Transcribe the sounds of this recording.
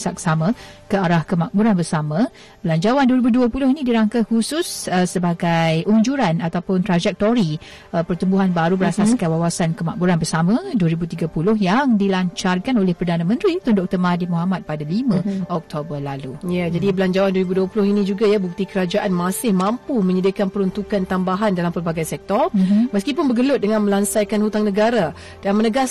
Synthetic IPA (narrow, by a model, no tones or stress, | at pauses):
saksamãkəaɾahkəmaʔ̚buɾanbərsamã | bəlaɲd͡ʒawanduəɾibuduəpulʊhinĩdiɾaŋkahusʊsəsəbaɡajʔuɲd͡ʒuɾanat̪awpʊnt̪ɾad͡ʒɛk̚t̪oɾi | əpərt̪umbuɦanbaɾubəɾasaskawawasankəmaʔ̚buɾanbərsamãduəɾibut̪iɡapulʊhjaŋdilaɲt͡ʃarkanolɛhpərdanamə̃nt̪ɾit̪undɔk̚t̪ɔrmadimuɦamat̪̚padalimə̃ʔɔk̚t̪obərlalujad͡ʒadibəlaɲd͡ʒawanduəɾibuduəpulʊhinĩd͡ʒuɡajabuk̚t̪ikəɾad͡ʒaʔanmãsɪhmãmpumə̃ɲədikanpəɾunt̪ukant̪ambaɦandalampərbaɡajnsɛk̚t̪ɔr̩məskipʊnbəɡəlʊt̪̚dəŋãnmə̃lansajkanhut̪aŋnəɡaɾa | d̥anmənəɡas